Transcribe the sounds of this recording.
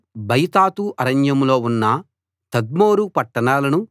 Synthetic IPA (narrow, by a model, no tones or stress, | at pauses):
bɐjt̪aːt̪uʔɐɾɐɲjɐmlo̞ːunːɐ | t̪ɐd̪̚moːɾupɐʈːɐɳaːlɐnu